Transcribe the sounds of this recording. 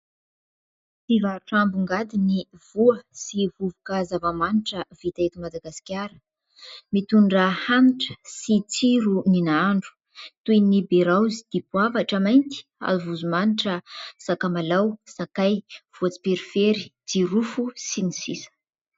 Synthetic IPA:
t͡sivaʈ͡ʂambuŋɡad̪iniv̥uəsivuvukəzavamaniʈ͡ʂəv̥it̪aet̪imad̪aɡasi̥kʲaɾə̥ | mit̪uɳɖ͡ʐəhaniʈ͡ʂə̥sit͡siɾuninaaɳɖ͡ʐu̥ | t̪ujnibeɾawzi̥d̪̥ipuavaʈ͡ʂəmajnt̪i̥a̰zuvuzumaniʈ͡ʂəsakamalawsakajv̥uat͡si̥peɾifeɾi̥d͡ziɾufusinisisə̥

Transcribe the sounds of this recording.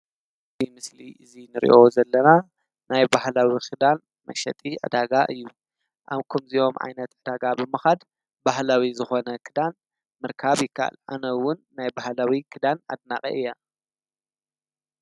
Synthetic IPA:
zimɨsliʔɨzinɨɾʔḭʔo̞zɐlːɐna | najbahlawixɨd̪an | mɐ̰ʃɐt̪ʼiʕɨ̰d̪aɡaʔɨjːu | ʔaβkʰumziʔo̞mʕa̰jnɐt̪ʕɨd̪aɡabɨmɨxad̪ | bahlawizɨxo̞nɐkʰɨd̪an | mɨɾkʰaβjɪkʰːa̰ʔa̰lʔa̰nɐwːʊnːajbahlawikʰɨd̪ana̰d̪nakʼɐ̰ʔɨjːa

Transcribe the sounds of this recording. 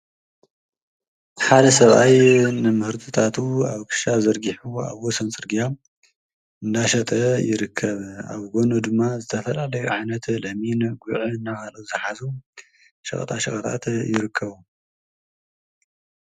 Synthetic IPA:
ħad̪ɐsɐβajnɨmɨhɨɾt̪ʰɨt̪ʰat̪ʰuaβkʰɨ̥ʃazɐɾɡiħua̰βwɔsɐnt͡sʼɨɾɡija | ɨnd̪aʃɐt̪ʼɐjɪɾɨkʰːɐβa̰βɡʷonud̪ɨmːazɨt̪ʰɐfɐlalɐjuʕajnɐt̪lɐminɡuʕiɨnːakalɐwzɨħazu | ʃɐxʼɐ̰t̪ʼaʃɐxʼɐt̪ʼa̰t̪jɪɾɨkʰːɐβu

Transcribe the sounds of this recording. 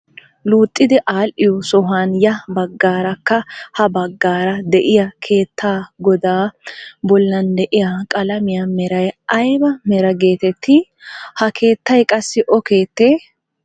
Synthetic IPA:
luːt̪ʼːɪd̪ɛʔaːlʔɪjɔsɔɦaːnjɐbɐɡːaːɾɐkːɐhɐbɐɡːaːɾɐd̪ɛʔɪjɐkʰe̞ːt̪ʰːaːɡɔd̪aːbɔlːɐnd̪ɛʔɪjakʼɐlɐmɪjamɛɾɐjɐjbɐmɛɾɐɡe̞ːt̪ɛt̪ʰːɪ | hɐkʰe̞ːt̪ːɐjkʼɐsːɪʔɔke̞ːt̪ːeː

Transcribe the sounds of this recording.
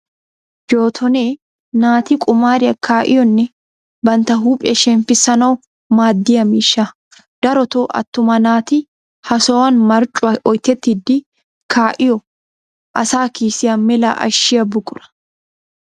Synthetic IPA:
d͡ʒo̞ːt̪ʰɔneː | naːt̪iːkʼʊmaːɾɪɐkʰːaːʔɪ̰jɔnːɛ | bɐnt̪ɐɦuːpʼɛ̰ʃɛnfɪsɐnɐw | maːd̪ːɪjɐmiʃːa | d̪̥ɐɾɔt̪oːʔɐ̰t̪ːʊmɐnaːt̪i | hɐsɔwɐnmɐɾt͡ʃʼʊɐɔjt̪ɛt̪ːɪd̪ɪ | kʰaːʔɪjɔ | ʔɐsaːkiːsɪjɐmːɛla̰ːʔɐ̰ʃːɪɐbʊkʼʊɾɐ̥

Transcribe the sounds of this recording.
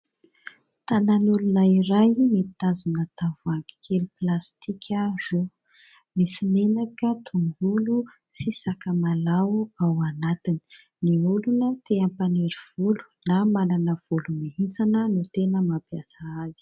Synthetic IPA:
t̪ananulunaiɾajmet̪azunət̪avaŋɡi̥kʰeluplast̪ikʰʲaʒ̥o | misimenakət̪ʰuŋɡulu | sisakəmalaawanat̪ini̥ | niulunət̪eapaneɾiv̥ulu̥namananəv̥ulumiɦit͡sanənut̪enəmapjasaazi̥

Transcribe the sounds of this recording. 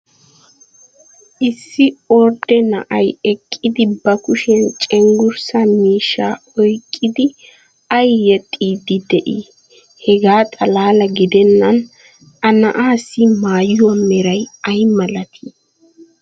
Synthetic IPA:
ʔɪsːɪɔɾd̪ɛnɐ̰ʔɐjɛkʼːɪd̪ɪbɐkʊʃɛnt͡ʃʼɛŋɡʊɾsɐmiːʃːaːɔjkʼːɪd̪ɪ | ɐjːɛt̪ʼːiːd̪ɪd̪ɛʔi | hɛɡaːt̪ʼɐlaːlɐɡɪd̪ɛnːɐn | ɐnɐʔaːsːɪmaːjʊwɐmɛɾɐjɐjmɐlɐt̪ʰi

